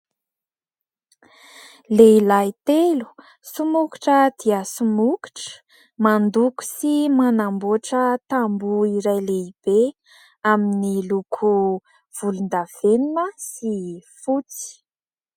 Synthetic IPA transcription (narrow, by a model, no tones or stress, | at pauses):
leilajt̪elu̥ | sumuki̥ʈ͡ʂəd̪iəsumuki̥ʈ͡ʂə̥ | mand̪uku̥simanamboʈ͡ʂət̪ambuiɾajleib̥e | aminilukʰu | v̥ulund̪av̥eninəsifut͡si̥